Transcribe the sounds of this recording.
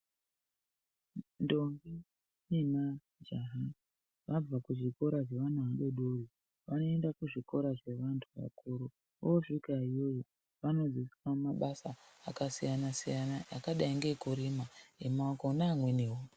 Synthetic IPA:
ndo̞ŋɡi | nina | d͡ʒaɦa | ʋab͡vakuʐiko̞ɾaʐeʋanuaɗo̞ɗori | ʋano̞endakuʐiko̞ɾaʐe̞ʋantʰuʋa̰kuɾo | oʂikaijo̞jo | ʋano̞d͡zisiamaɓasaːkasijanasijanaja̰kaɗaiŋɡe̞kuɾimaemakonaːmweniɦo

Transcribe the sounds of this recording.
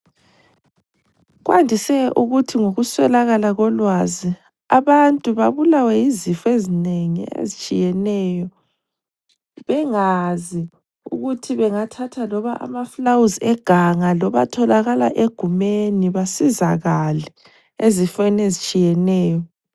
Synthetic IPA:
ɣwʔa̰ndʱisɛʔuɣutʰiŋoɣuswɛlaɣalaɣɔlwazi | aβantʼuβaβulawɛjizifɔezineŋḭḛzit͡ʃʼijɛnɛjɔ | βɛŋazi | ṵɣutʰiβɛŋatʰatʰalɔβaʔa̰maflawuzɛɡ̥ʱaŋalɔβa̰tʰɔlaɣala̰ʔeɡ̥ʱumeniβasizaɣalɛ | ezifenezit͡ʃʼijɛnɛːjɔ

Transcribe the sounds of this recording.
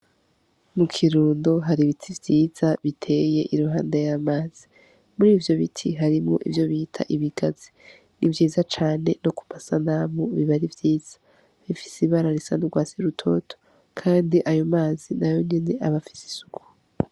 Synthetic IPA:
mukʰiɾuːndo̞ɦaɾiβitʰivjiːz̥aβitʰe̞je̞̰ʔiɾuɦaːndajamaːz̥i | muɾiːvjo̞βitʰiɦaɾimŋo̞̰ʔḭvjo̞βiːtʰa̰ʔiβiɡ̥azi | nʔḭvjiːzat͡ʃaːne̞no̞ku̥masanamoβiβaɾivjiːz̥ḁ | βifi̥siβaɾaɾisa̰nuɡwaːsiɾutʰo̞̰ːtʰo̥ | kʰaːndiʔajo̞maːzinajonineʔaβafi̥si̥su̥ku̥

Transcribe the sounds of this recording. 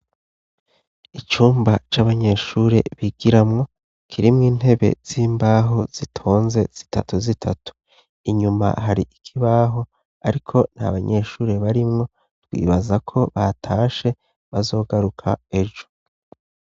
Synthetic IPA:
it͡ʃuːmbat͡ʃaβaɲe̞ʃuːɾe̞̰βiɡ̥iɾamŋo̞ | kʰiɾimŋiːn̥he̞βe̞̰z̥iːmbaːɦoz̥itʰo̞ːnze̞z̥i̥tʰa̰tuzitʰatu̥ | iɲuma̰haɾiʔikʰiβaːɦo̞ | aɾikʰo̞n̥ha̰βaɲe̞ʃuːɾe̞βaɾimŋo̞ | tɡwḭːβazakʰo̞βatʰaːʃe̞ | βazo̞ːɡaɾukʰa̰e̞ʒo̞̥

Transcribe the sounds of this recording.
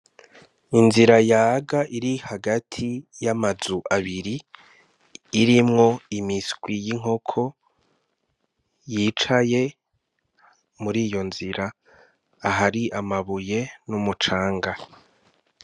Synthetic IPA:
inziɾajaːɡaʔiɾihaɡatʰijamazuʔaβiɾi | ɾimŋo̞imiskwijiŋ̥o̞kʰo̞ | jiːt͡ʃaje̞ | muɾiːjo̞nziɾaː | ɦaɾiʔamaβuje̞numut͡ʃaːŋɡa

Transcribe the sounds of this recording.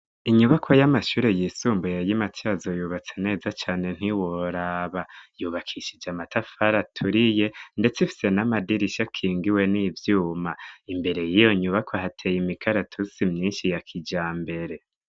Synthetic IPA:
iɲuβakʰojamaʃuːɾe̞jiːsuːmbujajimatʰiazo̞juːβat͡sene̞ːzat͡ʃaːne̞n̥hiwo̞ɾaβajuːβakʰiʃid͡ʒamatʰafaɾatʰuɾije̞nde̞t͡sifi̥se̞namadiɾiʃakʰiːŋɡiwe̞nivjuːmaimbe̞ɾe̞jijo̞ɲuβakʰoɦatʰejimikʰaɾatʰusimɲiːnʃijakʰid͡ʒaːmbe̞ɾe̞

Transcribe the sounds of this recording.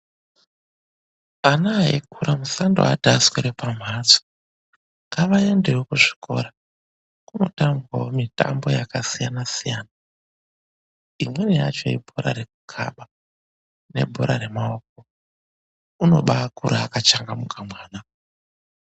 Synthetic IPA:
anaːɦḛkʰuɾʔamusandoa̰dʱasweɾepam̤at͡so̥ | ŋɡaʋae̞ndewokuʐi̥kʰo̞̰ɾa | kuno̞taŋɡwawomita̰mbo̞jakasijanasijaːna | imwe̞neja̰t͡ʃo̞̰ibʱoɾa̰ɾe̞k̚ukʰa̰ɓa | ne̞̰bʱo̞ɾaɾe̞mao̞k̚o | uno̞̰ɓakuɾaːkat͡ʃaŋɡamukʰamwaːna

